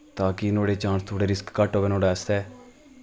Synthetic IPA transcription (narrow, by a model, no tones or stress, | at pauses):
t̪aːkɪnoːɽeːt͡ʃãːnst̪ʰoːɽeːɾɪskːəʈɦoːʋeːnoːɽaːst̪ɛː